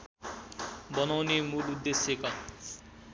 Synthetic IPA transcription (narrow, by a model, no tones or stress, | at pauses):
bʌnawnemulud̪ːesjekʌ